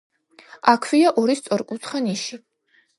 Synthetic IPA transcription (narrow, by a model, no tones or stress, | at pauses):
akʰwiaʔɔɾist̪sʼɔɾkʼut̪ʰχaniʃi